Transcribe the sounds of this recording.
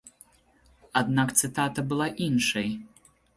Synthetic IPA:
ad̪nakt̪sɨt̪at̪ɐbɨlˠaʔinʂɐj

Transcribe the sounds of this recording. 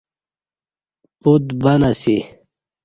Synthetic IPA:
put̪bɐnasi

